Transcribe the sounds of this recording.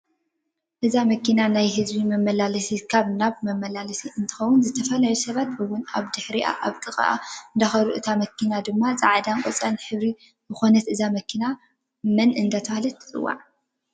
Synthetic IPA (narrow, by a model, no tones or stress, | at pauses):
ʔɨzamɐkʰinanajɦɨzbimɐmːɐlalɐsikʰaβnaβmɐmːɐlalɐsiʔɨnt̪ʰɨ̥xɐwʊnzɨt̪ʰɐfɐlajusɐβat̪̚bɨwʊnaβd̪ɨħɾiʔa̰ʔaβt̪ʼɨxʼa̰ʔa̰ɨnd̪axɐɾuʔɨt̪ʰamɐkʰinad̪ɨmːazɨʕd̪aŋkʼot͡sʼanħɨβɾi | zɨxo̞nɐt̪ɨzamɐkʰina | mɨnʔɨnd̪at̪ʰɐβahlɐt̪ʰːɨ̥t͡sʼɨ̰wːa̰ʕ